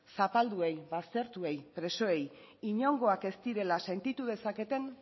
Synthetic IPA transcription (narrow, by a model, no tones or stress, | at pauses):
sapald̪ue̞jβast̪e̞ɾt̪ue̞jpɾe̞so̞e̞j | iɲo̞ŋɡo̞ake̞st̪iɾe̞lase̞nt̪it̪uð̞e̞sake̞t̪e̞n